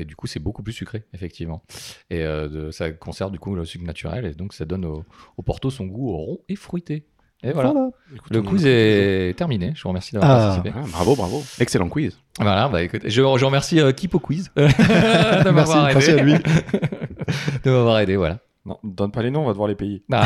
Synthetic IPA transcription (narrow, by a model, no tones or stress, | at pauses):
ed̪ykusɛbokuplysykχeefɛk̚t̪ʰivmɑ̃eød̪əsakɔ̃sɛʁnd̪ykuləsyknat̪ʰyʁɛ̰led̪ɔ̃ksad̪ɔnoopɔʁt̪osɔ̃ɡuʁɔ̃efχɥit̪e | evwala | ku̥ləkwizɛt̪ɛʁmineʒəvuʁəmɛʁsid̪avwʁpat̪isipeɛbʁa̰vobʁa̰voɛkselɑ̃kwiz | vwalabaekut̪eʒəʒəʁəmɛʁsiøkʲipokwiz | d̪əmɛvwaʁed̪ei | d̪̥əmavwaʁed̪evwa̰la | nɔ̰̃d̪ɔnpalenɔ̃ɔ̃vad̪əvwaʁlepejeba